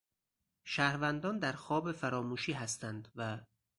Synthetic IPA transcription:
ʃæhɾvænd̪ɒːnd̪æɾxɒːbefæɾɒːmuːʃiːɦæst̪ʰænd̪væ

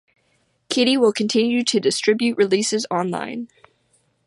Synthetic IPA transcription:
kʰɪɾiwɪlˠkʰɨ̃n̩tʰɪ̃njʉɾɨdɨstɹ̥ɪbjʉʔ̚ɹɨlisɨzɑ̃nlã̰ɪ̃n

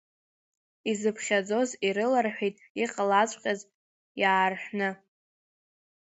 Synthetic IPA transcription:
izɨpʰχʲad͡zo̞ziɾɨlarħʷᶣijtʼiqʼalat͡sʷʼqʲʼaz | jaːrħʷnɨ

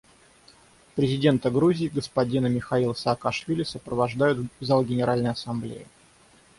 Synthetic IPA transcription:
pɾʲɪzʲɪdʲe̞nt̪əɡɾuzʲɪːɡəspɐdʲinəmʲɪxɐilˠəsəːkɐʂvʲilʲɪsəpɾəvɐʐd̪ajʊt̪vzalˠɡʲɪnʲɪɾalʲnəjɐsɐmblʲḛjɪ̰

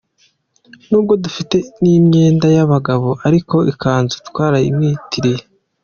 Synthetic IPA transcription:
nuːb̚ɡo̞dufite̞nimɲe̞ːndajaβaɡaβo̞ʔaɾiko̞ʔikaːnzutwaːɾaḭmɲiːtʰiɾije

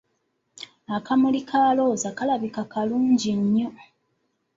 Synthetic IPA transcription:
akamulikʰaːlo̞ːzakalaβikakaluːɲɟiɲːo̞

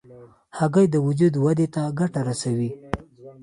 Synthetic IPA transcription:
haɡəjd̪əwʊd͡ʒud̪wad̪et̪aɡaʈaɾasawi

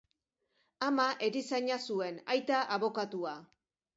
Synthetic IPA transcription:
amaʔeɾisaɲasue̞najt̪aʔaβo̞kat̪ua

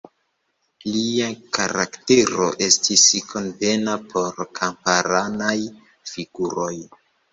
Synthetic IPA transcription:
liakaɾa̰kte̞ɾo̞ʔe̞stiskʰo̞nve̞napʰo̞ɾkʰampaɾanaj | fiɡuɾo̞j

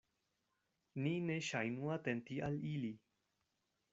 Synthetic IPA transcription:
nineʃajnũat̪ent̪iʔalili

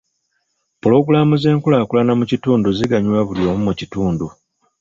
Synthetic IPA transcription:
pulo̞ɡulamuze̞ːŋkulaːkulanamucituːnduziɡaɲuwaβuljo̞ːmumucituːndu

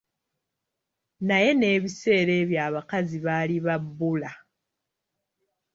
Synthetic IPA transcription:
naje̞ne̞ːβise̞ːɾe̞ːβjaːβakaziβaliβabːula

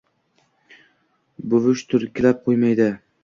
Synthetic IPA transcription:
bʊvʊʃt̪ʰʊɾkʲʰɪlap̚qʰojmajd̪ɪ

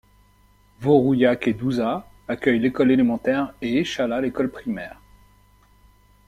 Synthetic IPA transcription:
voʁujaked̪uza | akʲœjlekɔlelemɑ̃t̪ɛʁeeʃalalekɔlpχimɛːʁ

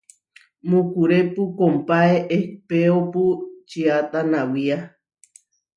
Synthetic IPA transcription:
mũkuɾepukompaeʔepeoput͡ʃiat̪anawia

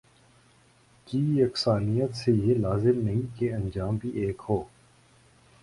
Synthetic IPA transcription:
kiːəksaːnijət̪sejelaːzɪmnɐɦĩkeɐ̃nd͡ʒaːmbʱiʔeːkhoː

